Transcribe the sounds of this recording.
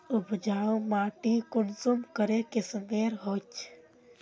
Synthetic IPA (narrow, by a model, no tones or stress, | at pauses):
ʊbʱd͡ʒaːõmaːʈikʊnsumkəɾekesmeːɾɦot͡ʃ